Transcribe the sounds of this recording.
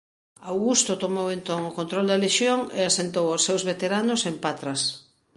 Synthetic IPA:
awɣust̪ot̪omowẽnt̪oŋʊkont̪ɾold̪ɐleʃjoŋḛasent̪owosːewzβet̪eɾanosempat̪ɾɐs

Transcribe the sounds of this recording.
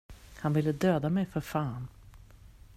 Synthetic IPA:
hanvɪlːəd̪øːd̪amɛjfœɾfaːn

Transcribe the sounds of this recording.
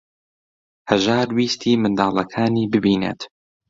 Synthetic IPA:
hɐʒaːɾwiːst̪ʰiːmɨnd̪ɑːlˠɐkʰaːniːbɨbiːnḛt̪

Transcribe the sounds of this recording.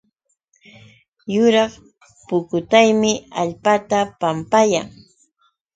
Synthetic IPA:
jʊɾɑχ | pʊkʊt̪ajmɪaʎpat̪apampajaŋ

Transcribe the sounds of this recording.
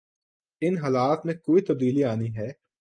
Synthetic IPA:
ɪnɦaːlaːt̪mẽkoːit̪ɐb̚d̪iːliaːniɦɛː

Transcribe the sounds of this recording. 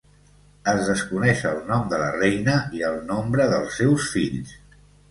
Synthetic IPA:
əzðəskunɛʃəlˠnɔmd̪ələ̰rɛjnəiəlˠnombɾəðəlˠsːɛwsfiʎs

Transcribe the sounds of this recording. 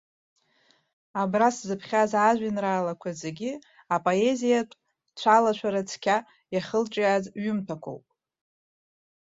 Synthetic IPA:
abraszɨpʰχʲazaʒʷᶣɪnraːlakʷʰazeɡʲi | apʼoe̞zija | t͡ʃʷʰalat͡ʃʷʰaɾat͡sʰkʲʰa | jaχəlt͡ʃʼazɥʏmtʰakʷʰo̰wpʼ

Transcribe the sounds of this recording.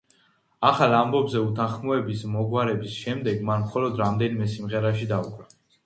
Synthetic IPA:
aχalˠambɔbzɛut̪ʰaχmɔɛbismɔɡwaɾɛbisʃɛmd̪ɛɡmanmχɔlɔd̪ɾamd̪ɛnimɛsimʁɛɾaʃid̪aukʼɾa

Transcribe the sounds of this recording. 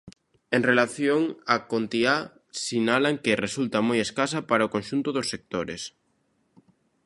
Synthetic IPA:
eŋrelaθjoŋakont̪ia | sinalaŋkeresult̪amojeskasapaɾaokõnʃunt̪ʊðosːek̚t̪oɾḛs

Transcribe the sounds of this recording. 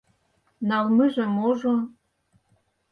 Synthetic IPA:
nɑlmɨʒĕmoʒo

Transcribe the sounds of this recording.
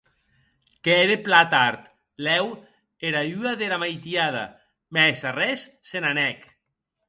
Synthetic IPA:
kɛɾeplat̪aɾt̪ | lɛw | eɾayaðelamajt̪iaða̰ | mɛsarɛsːenanɛk

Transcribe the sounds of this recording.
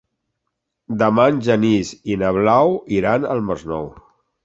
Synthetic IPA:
d̪əmanʲʒənizinəβlawiɾanə̰lˠməznɔw

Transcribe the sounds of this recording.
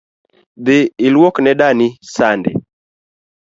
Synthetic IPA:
d̪ɪɪlwɔknɛɗanisandɪ̰

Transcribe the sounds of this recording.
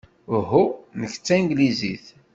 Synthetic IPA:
ɦunəçt͡sːæŋɡlizḭθ

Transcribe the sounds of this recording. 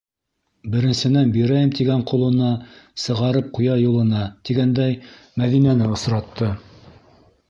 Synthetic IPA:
bɘ̆ɾɘ̆nsɘ̆nænbiɾæjɘmt̪iɡæɴqŏlˠɤ̆nɑsɤ̆ʁɑɾɤp̚qujɑjulˠɤ̆nɑt̪iɡænd̪æj | mæðinænɘŏsɾɑt̪ːɤ

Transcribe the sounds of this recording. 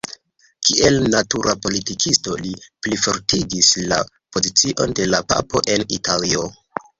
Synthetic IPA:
kiʔe̞lnatuɾʔapo̞litikʰisto̞liplifoɾtiɡisla̰ | po̞zit͡siʔo̞nde̞lapa̰po̞ʔe̞nitalio̞

